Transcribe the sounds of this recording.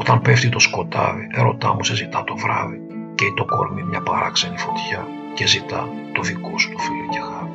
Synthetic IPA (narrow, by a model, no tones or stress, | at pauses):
ot̪ɐmpeft̪it̪o̞sko̞t̪ɐ̰viʔe̞ɾo̞̰t̪ɐ̰musezit̪ɐt̪o̞vɾɐ̰vi | ceit̪o̞ko̞̰ɾmimɲɐpɐɾɐ̰kse̞nifo̞t̪çɐ | cezit̪ɐ | t̪o̞ðikosu̥t̪o̥filocexɐɾ